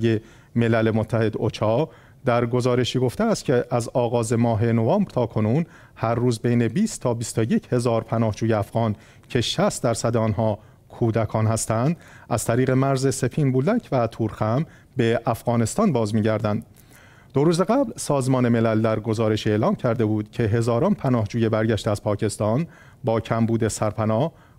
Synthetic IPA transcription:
je | me̞lælemot̪ʰːæhe̞d̪o̞t͡ʃʰɒː | d̪æɾɡo̞zɒːɾe̞ʃiːɡo̞ft̪eæst̪cʰeʔæzɒːɣɒːze̞mɒːɦe̞no̞vɑːmbɾt̪ʰɒːkʰo̞nuːn | hæɾːuːzbejne̞biːst̪t̪ʰɒːbist̪oje̞cʰhe̞zɒːɾpʰænɒːhd͡ʒuːjeæfɣ̥ɒːn | cʰe̞ʃæst̪̚d̪æɾsæd̪eɒːnɦɒː | kʰuːd̪ækʰɒːnhæst̪ænd̪̥æz̥t̪ʰæɾiːɣe̞mæɾze̞se̞pʰiːnbuːlæcʰvæt̪ʰuːɾxæm | be̞ʔæfɣɒːne̞st̪ɒːnbɒːzmiːɟæɾd̪ænd̪ | d̪̥o̞ɾuːzeɡæblsɒːzmɒːne̞me̞læld̪æɾɡo̞zɒːɾe̞ʃielɒːmcʰæɾd̪e̞buːd̪̥cʰe̞ɦe̞zɒːɾɒːnpʰænɒːhd͡ʒuːjebæɾɟæʃt̪eæz̥pʰɒːcʰe̞st̪ɒːn | bɒːcʰæmbuːd̪e̞sæɾpʰænɒː

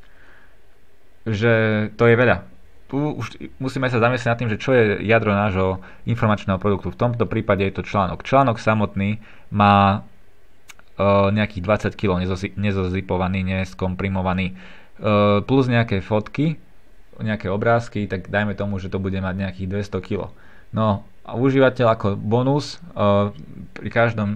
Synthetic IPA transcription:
ʒɛt̪ɔjɛʋɛʎa | t̪uṵʃmusiːmɛs̬azamis̬lɛɟnat̪ːiːmʒɛt͡ʃɔjɛjad̪ɾɔnaːʒɦɔ | infɔɾmat͡ʃnɛːɦɔpɾɔd̪ukt̪uft̪ɔmt̪ɔpɾiːpaɟɛjɛt̪ɔt͡ʃlaːnɔkt͡ʃlaːnɔksamɔt̪niː | maː | ɲɛakiːd̪ʋat͡sackilɔʊɲɛɲɛzɔzipɔʋaniːɲɛskɔmpɾimɔʋaniː | pluzɲɛakɛfɔt̪ki | ɲɛakɛɔbɾaːskit̪aɡd̪ajmɛt̪ɔmuʒɛt̪ɔbuɟɛmaɟɲɛakiːɣd̪ʋɛst̪ɔkilɔ̰ | nɔ | a̰uʒiːʋacɛʎakɔbɔnus | pɾikaʒd̪ɔm

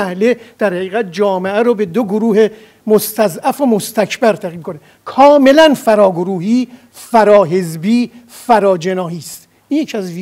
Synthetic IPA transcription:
æhled̪̥æɾhæɣiːɣæt̪̚d͡ʒɒːmeʔæɾobe̞d̪oɡoɾuːhe | most̪æzæfomost̪ʰæcʰbæɾt̪ʰæɣiːmikʰone | kʰɒːme̞lænfæɾɒːɡoɾuːhiː | fæɾɒːɦe̞zbiː | fæɾɒːd͡ʒe̞nɒːhiːst̪ | ʔinjecʰiæzv

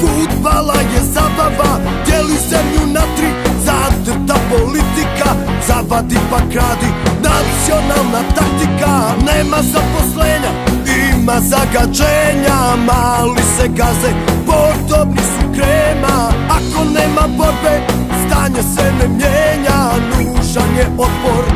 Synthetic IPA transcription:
fud̪balajɛzabaʋa | d̪̥jelisɛmjunat̪ɾizat̪ | t̪apo̞lit̪ika | zabad̪ipakɾaːd̪inat̪sio̞nalˠnat̪ak̚t̪ikaneːmazapo̞sleːɲaimazaɡad͡ʒeːɲamaːlisɛɡazɛpod̪obnisukɾeːmaako̞neːmaboɾbe | st̪aːɲesɛnɛmjeːɲanuːʒaɲeot̪poɾ

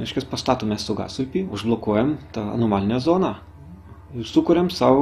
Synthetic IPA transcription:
ɾʲɛɪʃʲkʲɐspɐst̪ɑːt̪oːmʲɛssʊɡɑ̰ːsʊpʲiːʊʒblˠoːkuɔjɛmt̪ɑːɐ̰noːmɑːlʲɪnʲɛzoːnɑ | ɪsʊkʊɾʲɛmsɑːʋ

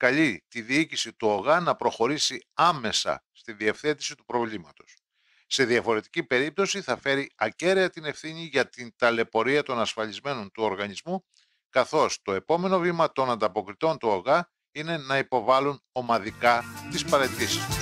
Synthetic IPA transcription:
kɐʎit̪iðiicisit̪uoɣɐnɐpɾo̞xo̞ɾisiɐme̞sɐ̰st̪iðie̞fθe̞t̪i̥sit̪upɾo̞vlimɐt̪o̞̥s | se̞ðiɐfo̞ɾe̞t̪icipe̞ɾip̚t̪o̞siθɐfe̞ɾiɐce̞ɾeɐt̪ine̞fθiɲiʝɐt̪int̪ɐle̞po̞ɾiɐt̪o̞nɐsfɐʎizme̞no̞nt̪uo̞ɾɣɐɲizmu | kɐθo̞st̪o̞e̞po̞me̞no̞vimɐt̪o̞nɐnd̪ɐpo̞kɾit̪o̞nt̪uoɣɐ | ine̞nɐipo̞vɐlun | o̞mɐðikɐt̪ispɐɾe̞t̪isist̪u̥

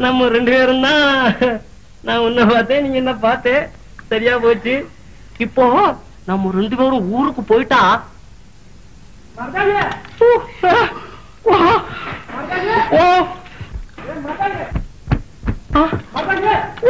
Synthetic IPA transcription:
nɐmːɐɾɛɳɖɯpeːɾɯnd̪ãː | nãːɔnːɐpaːɾt̪ẽːnĩːŋɡɐɛnːɐp̬aːɾt̪ẽː | sɐɾɪjaːpoːt͡ʃːɯ | ɪpːoː | nɐmːɐɾɛɳɖɯpeːɾʊ̃uːɾɯkːɯpoːjɪʈːãː | o | o

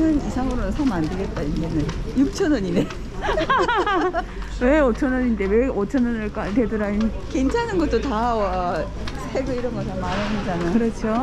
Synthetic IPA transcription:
nɯnisʰaŋɯɾonɯnsʰʌmandɯɭɡet̚t͈aind͡ʑenɯnjuk̚t͡ɕʰʌnʌɲine | we̞ot͡ɕʰʌnʌɲinde̞weot͡ɕʰʌnʌnɯɭk͈atedɯɾain | kent͡ɕʰanɯnɡʌt͈otawʌ | sʰeɡɯiɾʌnɡʌtamananid͡ʑanakɯɾʌt͡ɕʰo

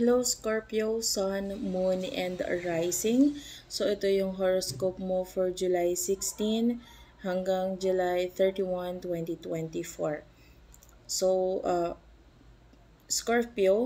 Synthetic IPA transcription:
klowskoɹpijowsanmunʔɛ̃nd̪ɐ̰ɹajsɪŋsoʔɛt̪o̞jʊŋɦoɹoskopmofɔɹd͡ʒʊlajsɪkst̪inhɐŋɡaŋd͡ʒʊlajθɛɹt̪iwɐnt̪wɛnt̪it̪wɛnt̪ifoɹ | soʔɐ | skoɹpio

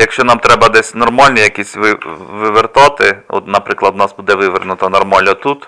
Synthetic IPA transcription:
jɐkʃt͡ʃɔnɑmt̪ɾɛbɐd̪ɛsʲnɔrmɑlʲnʲijɐkʲisʲʋɪʋɪʋɪrt̪ɑt̪ɪɔ̰t̪nɐpɾɪklˠɐd̪nɑsbud̪ɛʋɪʋernʊt̪ɐnɔrmɑlʲnɔt̪ut̪

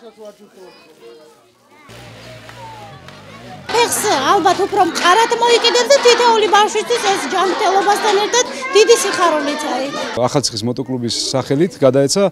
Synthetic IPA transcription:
pʰɛχsalˠbat̪ʰupʰɾɔmqʼaɾat̪ʰmɔikʼid̪ɛbsd̪at̪ʰit̪ʰɛulibafʃwist̪ʰwisɛsd͡ʒamɾt̪ʰɛlˠɔbast̪ʰanɛɾt̪ʰad̪̥d̪̥id̪isiχaɾɔnit̪sʰaɾiaχalt̪si̥χismɔt̪ʼɔkʼlubisːaχɛlit̪ʰɡad̪aɛt̪sʰa

